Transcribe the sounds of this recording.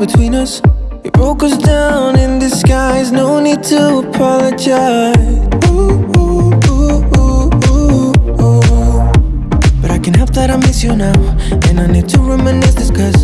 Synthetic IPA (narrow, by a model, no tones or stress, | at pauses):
bɨtʰw̥ĩnʌs | ɨt̚b̥oʊkɨsdãʊʊ̃nɪ̃nðɨskaɪznoʊnid̚tʰəːpʰɑlˠəd͡ʒaɪɪz | b̥ʌɾaɪkɨ̃nɦɛp̚ðɨɾãɪ̃mɪsjɨnaʊ | ɨ̰̃naɪnid̚tʰɨɹɛmɛ̃nɪsdɨskʌs